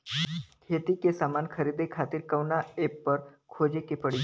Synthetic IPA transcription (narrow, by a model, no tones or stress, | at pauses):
kʰet̪ikesamankʰəɾid̪ekʰat̪iːɾkəʋnaepːəɾkʰod͡ʑekepəɽi